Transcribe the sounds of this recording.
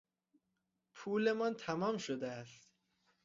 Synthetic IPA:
pʰuːle̞mɒnt̪ʰæmɒːmʃod̪eæst̪

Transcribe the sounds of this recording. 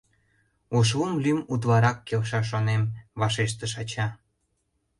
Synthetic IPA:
uʃumlymut̪̬βɑɾɑkːelʃɑʃ̬onemβɑʃeʃ̬t̪ə̆ʃɑt͡ɕɑ

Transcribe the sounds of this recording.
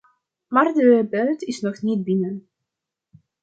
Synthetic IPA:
maːrdəbœːtɪsnɔχnit̚bɪnən

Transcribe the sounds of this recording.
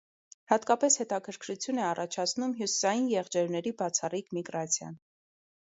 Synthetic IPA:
hɑt̪kɑpɛshɛt̪ɑkʰəɾkʰɾut͡sʰjunɛɑrɑt͡ʃʰɑt͡sʰnumɦjusi̥sɑjinjɛʁd͡ʒɛɾnɛɾibɑt͡sʰɑrikmiɡɾɑt͡sʰjɑ̰n

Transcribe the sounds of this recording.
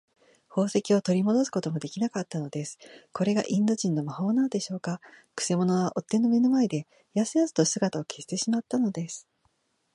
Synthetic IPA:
ho̞ːse̞kʲio̞t̪o̞ɾʲimo̞d̪o̞sɨ̥ko̞t̪o̞mo̞d̪e̞kʲinakat̪ːano̞d̪e̞sɨ̥ko̞ɾe̞ɡa̰ʔĩnd̪o̞ʑĩnːo̞maho̞ːnand̪e̞ɕo̞ːkakɯ̟̥se̞mo̞no̞βaʔo̞t̪ːe̞nːo̞me̞nomaed̪e̞ | jasɨjasɨ̥t̪o̞sɨɡat̪aokʰe̞st̪e̞ɕimat̪ːano̞d̪e̞sɨ̥

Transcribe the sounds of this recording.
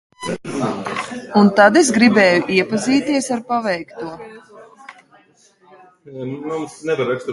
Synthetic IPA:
unt̪ad̪ezɡɾibɛːjuʔiɛpaziːt̪iɛsaɾpavɛjkt̪uɔ | mumsnɛbaɾɛkst̪

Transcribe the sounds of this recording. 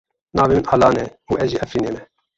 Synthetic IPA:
nɑːvimnʔɑːlɑːnɛuɛʒiːʔɛfineːmɛ

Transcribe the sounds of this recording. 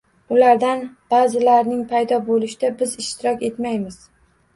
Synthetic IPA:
ʊlaɾd̪anb̥azɪlaɾnɪŋpʰajd̪ɒbolɪʃɪd̪abɪzɪʃt̪ʰɪɾɒkʲe̞t̪majmɪz̥

